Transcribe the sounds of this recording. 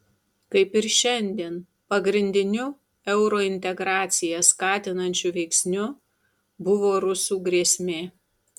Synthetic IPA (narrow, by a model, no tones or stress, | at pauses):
kɐɪpɪɾʃʲɛnʲd̪ʲiɛn | pɐɡɾʲɪnʲd̪ʲɪnʲʊ | ɛʊɾoːɪnʲt̪ʲɛɡɾɑːt̪sʲɪjɛskɑːt̪ʲɪnɐnʲt͡ʃʲʊʋʲɛɪksʲnʲʊ | bʊʋoːɾʊsuːɡɾʲiɛsʲmʲeː